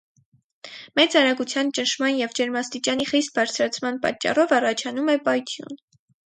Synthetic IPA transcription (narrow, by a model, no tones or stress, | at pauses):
mɛt͡sɑɾɑɡut͡sʰjɑnt͡ʃənʃmɑnjɛvd͡ʒɛɾmɑst̪it͡ʃɑniχist̪̚bɑɾt͡sʰɾɑt͡sʰmɑnpɑ̰t͡ʃːɑ̰rɔvɑrɑt͡ʃʰɑnumɛpɑjt̪ʰjṵn